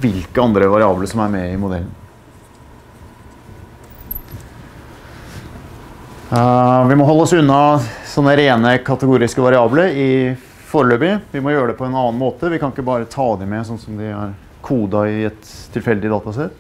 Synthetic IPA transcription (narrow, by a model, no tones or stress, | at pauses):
ʋɪlkəɑnd̪ɾəʋɑɾɪɑːbləʂɔmæɾmɛɪmʊd̪ɛlːn | ʋɪmɔɦɔlːɔsʉnːɑsɔnːəɾeːnəkʰɑt̪əɡuːɾɪskəʋɑɾɪɑːbləɾɪ | foːɾəɭøːbɪʋɪmɔjøːɾəɖ̪ɛpʰɔɛnɑːnmoːt̪əʋɪkʰɑnɪkːəbɑːɾət̪ʰɑːd̪ɛmɛsɔnsɔmd̪ɪæ̰ɾ | kʰuːd̪ɑɪɛt̪ʰːɪlfɛld̪ɪd̪ɑːt̪ɑsɛt̪ː